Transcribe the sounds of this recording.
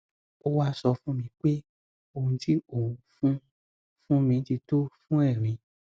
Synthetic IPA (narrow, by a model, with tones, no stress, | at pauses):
o˦wa˦sɔ˧fũ˦mĩ˧k͡pe˦ | o˧ũ˧ti˦o˨u˨fũ˦ | fũ˦mĩ˧˦ti˧to˦fũ˦ɛ˦˨ɾ̃ĩ˨˧˦